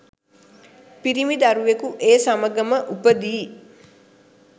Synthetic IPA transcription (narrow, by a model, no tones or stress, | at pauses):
piɾimid̪aɾuʋekuʔeːsaməɡəməʔupəd̪iː